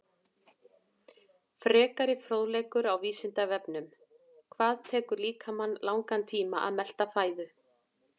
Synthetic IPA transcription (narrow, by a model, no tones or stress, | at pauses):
fɾɛːkaɾɪfɾoːwðlejkʏɾawviːsɪnt̪avɛpnʏm | kʰvaːðt̪ʰɛːkʏɾliːkʰamanːlawŋkant̪ʰiːmaʔa̰ðmɛl̥t̪afaːjðʏ